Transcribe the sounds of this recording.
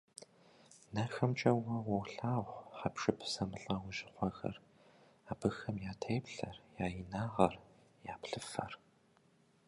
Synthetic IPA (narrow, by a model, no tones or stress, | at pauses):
nɐxɐmt͡ʃʼɐwɐwɐwɬaːʁʷħapʂɨpʰsɐmɨɬʼɐwʊʒɪχʷɔxɐ̰r | aːbɨxɐmjaːtʰeːpɬɐrjaːjɪnaːʁɐr | jaːpɬɨfɐ̰r